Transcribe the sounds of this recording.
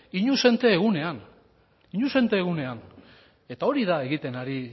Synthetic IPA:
iɲuse̞nt̪e̞ːɣune̞an | iɲuse̞nt̪e̞ːɣune̞an | e̞t̪ao̞ɾiðae̞ɣit̪e̞naɾi

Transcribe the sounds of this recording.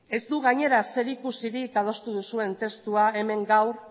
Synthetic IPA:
e̞zd̪uɣaɲe̞ɾase̞ɾikusiɾikað̞o̞st̪uðusue̞nt̪e̞st̪uae̞me̞ŋɡawɾ

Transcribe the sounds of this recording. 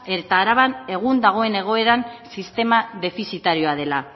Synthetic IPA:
et̪aːɾaβane̞ɣ̞und̪aɣ̞o̞e̞ne̞ɣ̞o̞e̞ɾansist̪e̞maðe̞fisit̪aɾio̞aðe̞la

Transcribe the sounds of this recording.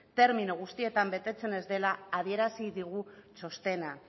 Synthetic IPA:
t̪e̞ɾminuɣ̞ust̪ie̞t̪ambe̞t̪e̞t͡se̞ne̞zd̪e̞laːð̞ie̞ɾasiðiɣ̞ut͡ʃo̞st̪e̞na

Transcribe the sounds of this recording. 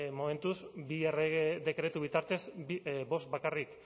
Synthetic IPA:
mo̞me̞nt̪uzbiereeðe̞kɾe̞t̪uβ̞it̪aɾt̪e̞zibo̞st̪̚bakarik

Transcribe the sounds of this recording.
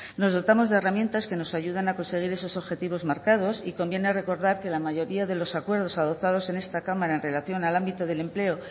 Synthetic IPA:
no̞zðo̞t̪amo̞zðe̞ramje̞nt̪aske̞no̞saʝuð̞anako̞nse̞ɣ̞iɾe̞so̞so̞βxe̞t̪iβ̞o̞zmaɾkað̞o̞siko̞mbje̞nere̞ko̞ɾðaɾke̞lamaʝo̞ɾiaðe̞lo̞sakwe̞ɾð̞o̞saðo̞p̚t̪að̞o̞se̞ne̞st̪akamaɾaenre̞laθjo̞nalambit̪o̞ð̞e̞le̞mple̞o

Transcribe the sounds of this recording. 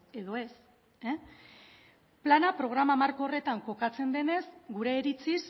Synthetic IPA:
e̞ðo̞e̞s | e | planapɾo̞ɣ̞ɾamamaɾko̞ːre̞t̪aŋko̞kat͡se̞nd̪e̞ne̞zɡuɾe̞ːɾit͡sis

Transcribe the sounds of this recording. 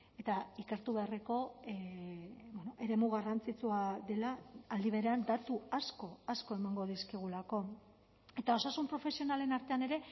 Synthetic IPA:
e̞t̪aike̞ɾt̪uβe̞areko̞ | bwonoʔe̞ɾe̞muɣ̞arant͡sit͡suaðe̞laːld̪iβe̞ɾe̞and̪at̪uasko̞asko̞e̞maŋɡo̞ðiskiɣ̞ulako̞ | e̞t̪ao̞sasumpɾo̞fe̞sio̞nale̞naɾt̪e̞ane̞ɾe̞

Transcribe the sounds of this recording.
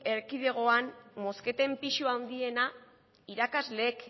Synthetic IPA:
e̞ɾkiðe̞ɣ̞o̞anmo̞ske̞t̪e̞mpiʃuawnd̪ie̞na | iɾakazle̞ːk

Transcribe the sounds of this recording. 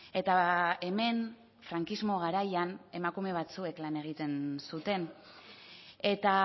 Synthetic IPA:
e̞t̪ae̞me̞n | fɾaŋkizmo̞ɣaɾajane̞makume̞β̞at͡sue̞klane̞ɣ̞it̪e̞nsut̪e̞n | e̞t̪a

